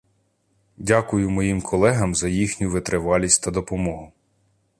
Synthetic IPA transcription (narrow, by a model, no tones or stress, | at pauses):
dʲakʊjʊmɔjimkʰɔlˠɛɦɐmzɐjixnʲʊʋɪt̪ɾʔeʋɑlʲisʲtʲt̪ɐd̪ɔpɔmɔɦʊ